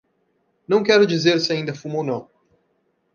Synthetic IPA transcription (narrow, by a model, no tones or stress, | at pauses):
nɐ̃w̃kɛɾʊd͡ʒizeɾsɪaĩnd̪ɐfumownɐ̃w̃